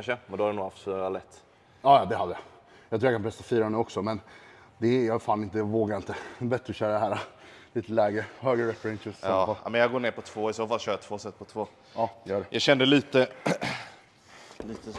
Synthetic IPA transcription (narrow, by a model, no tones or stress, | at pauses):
ʂəmɛnd̪ɔhad̪ɛnuːɡhaft̪sɔlɛt̪ː | ɑːjɑd̪ɛhad̪ːəjɑ | jɑɡt̪ʰːjakanpʰɾɛst̪afiːɾaɛnʉɔksɔmɛn | d̪ɛjɑfaːnɪnt̪əvoːɡaɾɪnt̪əbɛt̪ːɾəɕœːɾd̪ɛɦæːɾaliːt̪əlɛːɡɾəhøːɡəɾɛfɾɛnʃʊst̪ɔɔa̰mɛnjɑɡoːɳeːɾpɔt̪ʰv̥oːɪsɔfaɕœːɾat̪ʰv̥oːsɛt̪ːpʰɔt̪ʰvoː | ɑːjœːɖɛjɑɕɛnd̪əliːt̪ə | iːt̪ə